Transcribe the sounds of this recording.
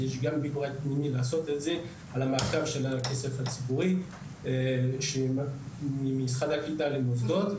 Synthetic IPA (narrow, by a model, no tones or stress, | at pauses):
jɛʃɡambibʁat̪minilasɔt̪eze | alamaʁkavʃɛlakɛsɛfat͡sipuʁi | ʃema | imisχad̪aklit̪alemɔs̬d̪ɔt̪